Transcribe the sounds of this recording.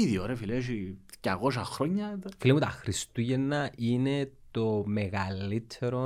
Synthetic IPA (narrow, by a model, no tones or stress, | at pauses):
iðioɾɐfileʃi | ca̰kosɐxɾoɲːɐfilemut̪ɐxɾist̪uʝenːɐinet̪o̞meɣɐlːit̪ʰeɾo